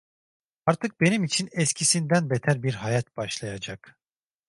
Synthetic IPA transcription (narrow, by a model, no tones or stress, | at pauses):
aɾt̪ʰɯk̚be̞nimit͡ʃʰinɛscʰisind̪ænbet̪ʰæɾbiɾɦajat̪̚b̥aʃlˠajad͡ʒak